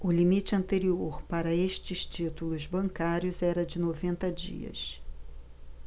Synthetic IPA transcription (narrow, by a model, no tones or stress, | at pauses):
ʊlimit͡ʃɪɐ̃nt̪eɾioɾpaɾɐeʃt͡ʃɪʃt͡ʃit̪ulʊzbɐ̃ŋkaɾjʊzɛɾɐd͡ʒɪnovẽnt̪ɐd͡ʒḭɐ̰s